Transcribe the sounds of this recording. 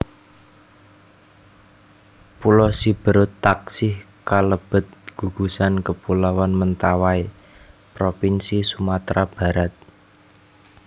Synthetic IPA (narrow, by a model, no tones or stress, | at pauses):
pulɔsib̥ə̤ɾʊt̪ːaksɪh | kaləb̥ə̤t̪̚ɡ̥ṳɡ̥ṳsankəpulawanmənt̪awai | pɾopinsisumat̪ɾab̥a̤ɾat̪̚